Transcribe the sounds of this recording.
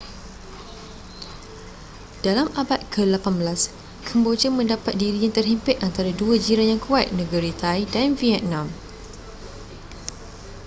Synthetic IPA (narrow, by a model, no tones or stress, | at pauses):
d̥alamabat̪̚kʰəlapanbəlas | kʰəmbod͡ʒəmə̃ndapat̪̚diɾijãnt̪ərɦimpɪʔant̪aɾaduad͡ʒiɾanjaŋkʰuat̪̚nə̃ɡəɾit̪ajdanviɛt̪̚nãm